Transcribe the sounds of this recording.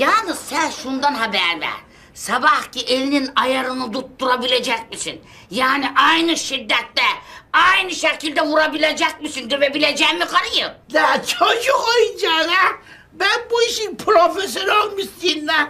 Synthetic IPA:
jaːnɯzsænʃund̪anɦabæɾvæ̰ɾ | sabahcʰiʔelininajaɾɯnɯd̪ut̪ːuɾabilʲed͡ʒɛc̚ʲmisin | jaːniʔajnɯʃid̪ːɛt̪ːɛajnɯʃecʰilʲd̪ɛvuɾabilʲed͡ʒɛc̚misind̪øvɛbilʲed͡ʒɛmikʰaɾɯjɯnɛt͡ʃʰod͡ʒukojɯnd͡ʒanɛ | bænbuiʃinpʰɾofes̬onalˠmist̪innɛ

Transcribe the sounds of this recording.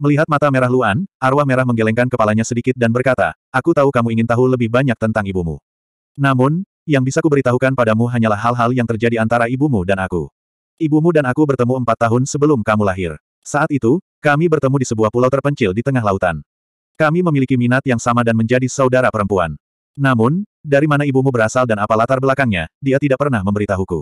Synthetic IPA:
məliɦat̪̚mat̪ameɾaɦluanʔarwahmeɾahməŋɡelɛŋkankəpalaɲasədikɪt̪̚danbərkat̪a̰ | ʔakut̪aukamuiŋɪnt̪aɦuləbɪhbaɲak̚t̪ənt̪aŋibumṵ | namʊn | jaŋbisakubəɾit̪aɦukanpadamuɦaɲalahːalɦaljaŋt̪ərd͡ʒadiant̪aɾaibumudanakṵ | ʔibumudanakubərt̪əmuəmpat̪ːaɦʊnsəbəlʊmkamulaɦɪr | saat̪it̪u | kamibərt̪əmudisəbuahpulawt̪ːərpəɲt͡ʃɪldit̪əŋahlaut̪a̰n | kamiməmilikiminat̪jaŋsamadanməɲd͡ʒadisaudaɾapəɾəmpua̰nː | amʊn | daɾimanaibumubəɾasaldanapalat̪arbəlakaŋɲa̰diat̪idaʔ̚pərnahməmbəɾit̪aɦukṵ

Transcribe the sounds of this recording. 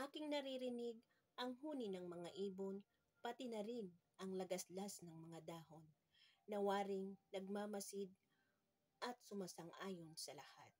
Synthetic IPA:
ʔaːkɪŋnɐɾiɾɪnɪɡ̚ | ʔɐŋɦuːnɪnɐŋmɐŋaʔiːbo̞n | pɐt̪ɪnɐɾɪn | ʔɐŋlɐɡɐslasnɐŋmɐŋad̪aːɦo̞nː | ɐwaːɾɪŋnɐɡ̚mamɐsɪd̪̚ | ʔɐt̪̚sʊmasɐŋʔaːjo̞nsɐlɐhat̪̚

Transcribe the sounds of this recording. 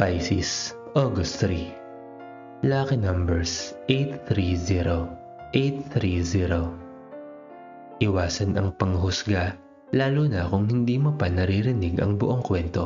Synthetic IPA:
pajsis | ʔoɡosɾi | laːkɛnɐmbɛɹsʔejt̪θɾiziɾo | ʔejt̪θɾiziɾo | ʔɪwaːsɐnɐŋpɐŋɦʊsɡa | laːlunɐkʊŋhɪnd̪iːmopɐnɐɾiɾɪnɪɡʔɐ̰ŋbʊʔo̞ŋkwɛnt̪o̞

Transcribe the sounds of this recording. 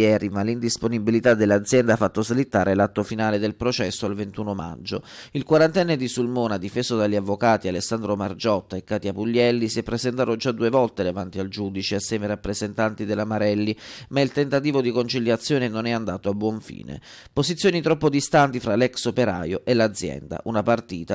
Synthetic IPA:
jɛːɾimalːind̪isponibilit̪ad̪ːelːad̪zːjɛnd̪afːat̪ːoslit̪ːaːɾelat̪ːofinaːled̪elpɾot͡ʃɛsːoalvent̪uːnoma̰d͡ʒːoilkwaɾant̪ɛnːed̪isulmoːnad̪ifeːzod̪aʎːavːokaːt̪ialesːand̪ɾomard͡ʒɔt̪ːaekːaːt̪iapuʎːɛlːisijɛpːɾezent̪aːt̪od͡ʒad̪uːevɔlt̪ed̪evant̪iald͡ʒuːd̪it͡ʃeasːjɛːmeɾapːɾezent̪ant̪id̪elːamaɾɛlːimailt̪ent̪at̪iːvod̪ikont͡ʃiljat̪sːjoːnenonɛand̪aːt̪oabːwɔɱfḭːnḛ | pozit̪sːjoːnit̪ɾɔpːod̪ist̪ant̪ifɾalɛksopeɾa̰ːjoʔelːad̪zːjɛ̰nd̪a̰ʔunapart̪iːt̪a

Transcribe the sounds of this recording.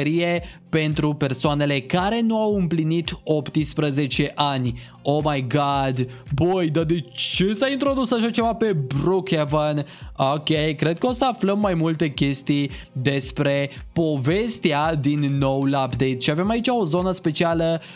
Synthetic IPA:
ɾije̞pe̞nt̪ɾupe̞rsoane̞le̞kaɾe̞nuawɨmplinit̪o̞pt̪ispɾəze̞t͡ʃe̞ʔanʲ | o̞majɡɑd̪bojd̪ad̪e̞t͡ʃesaint̪ɾo̞d̪usaʃat͡ʃe̞vape̞brukevanokʲejkɾe̞d̪̚kəo̞səafləmːajmult̪e̞kʲe̞st̪ijd̪e̞spɾe̞po̞ve̞st̪ead̪inːo̞wlapd̪ejt̪ʃiavemait͡ʃao̞zo̞nəspe̞t͡ʃialə

